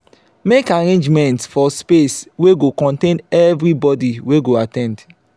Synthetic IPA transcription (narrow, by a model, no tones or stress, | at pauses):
mekaɾẽnd͡ʒmɛ̃ntsfɔspesweɡokɔ̃ntẽnɛvɾibɔdiweɡoatɛ̃nd